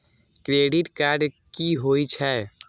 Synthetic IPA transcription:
kɾeɖiʈkaɾɖ | kiɦoit͡ʃʰɛ

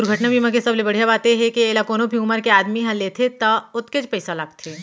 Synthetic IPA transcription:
ʊɾɡʱɐʈnabʱiːmãkesɐblebɐɽ̤ijabaːt̪eɦɛkieːlakoːnõbʱiuːməɾkeaːd̪miɦɐ̃leːt̪ʰet̪ɐʊt̪ket͡ʃpɐɪsalaːɡ̚t̪ʰeː

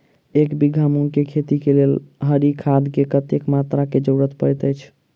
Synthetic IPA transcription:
ekbiɡʱamunkekʰet̪ikelelɦəɾikʰad̪ʱkekət̪ekmat̪ɾaked͡ʒəɾət̪pəɾɛt̪əjt͡ʃʰ

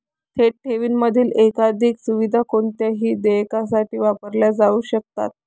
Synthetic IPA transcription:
t̪ʰeʈʰeʋiːnməd̪ʱiːlekad̪ʱiːksuʋid̪ʱakoɳt̪jaɦiːd̪ejkas̬aʈiːʋapəɾljad͡zauːɕək̚t̪a̰t̪̚

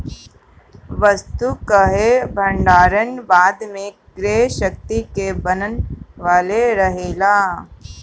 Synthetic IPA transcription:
ʋəst̪ukəɦebʱə̃ɳɖaːɾənbaːd̪mẽ | ɡɾeːɦʃək̚t̪ikebənənʋaːleɾɐɦeːlaː

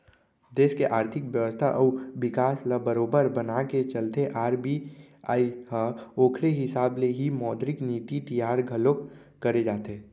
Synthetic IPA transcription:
d̪eːskeʔaːɾt̪ʰɪkʋjəʋəst̪ʰaʔɔːʋɪkaːslabəɾoːbəɾbənaket͡ʃəlt̪eʔaːɾbiaːiɦaoːkʰɾeɦɪsaːbleɦimɔːd̪ɾɪkniːt̪it̪ijaːɾɡʱəlok | kəɾed͡ʒaːt̪eː

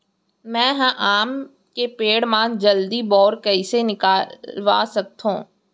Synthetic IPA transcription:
mɛ̃ːɦãʔaːm | kepeːɽmãd͡ʒɐld̪ibɔːɾkɐisenɪkaːwa̰ːsɐk̚t̪ɦṵ̃ː

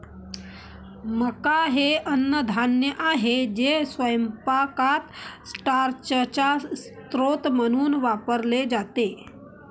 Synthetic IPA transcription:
məkaɦeʔɐnːəd̪ʱaːnjəʔaːɦed͡ʒeswəjəmpakaːt̪sʈaːɾt͡ʃəɾt͡ʃast̪ɾoːt̪mənuːnʋaːpəɾled͡ʒaːt̪eː

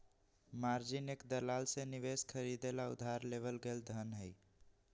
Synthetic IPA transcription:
maɾd͡ʒinekd̪əlalseniʋeskʰəɾid̪elaʊ̰d̪ʱːaɾleβəlɡeld̪ʱənɦəɪ

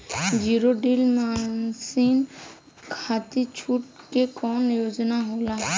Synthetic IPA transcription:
d͡ʒiːɾoɖiːlmasiːn | kʰaːt̪it͡ʃʰuːʈ̚ | kekɔːnjoːd͡ʒnaɦoːlaːɛ

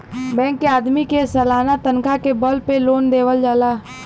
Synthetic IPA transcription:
bɛ̃ːŋkːeaːd̪mikesəlaːnat̪ənkakebəlpeloːnd̪eːʋəld͡ʒaːlaː

